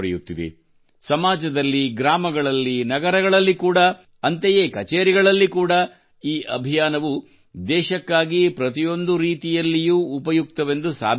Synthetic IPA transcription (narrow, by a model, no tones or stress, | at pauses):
ɾɛ̰jut̪ːid̪ḛ | sɐmaːd͡ʒɐd̪ɐlːiɡɾaːmɐɡɐɭɐlːinɐɡɐɾɐɡɐɭɐlːikuːɽɐː | ɐnt̪ejeːkɐt͡ʃeːɾiɡɐɭɐlːikuːɽɐ | iːʔɐ̰bʱijaːnɐʋu | d̪ɛːʃɐkːaːɡipɾɐt̪ijo̞nd̪uɾiːt̪ijɐlːijuːpɐjuk̚t̪ɐʋe̞nd̪usa̰ːb